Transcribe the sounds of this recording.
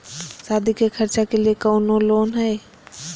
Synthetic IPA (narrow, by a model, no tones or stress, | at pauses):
saːd̪ʱikekʰəɾt͡ʃakeliekəʊnõloːnɦɛe